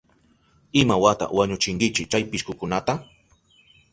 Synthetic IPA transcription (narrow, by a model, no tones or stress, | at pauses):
ɪmawat̪a̰waɲʊt͡ʃɪŋɡɪt͡ʃɪt͡ʃajpɪʃkʊkʊnat̪a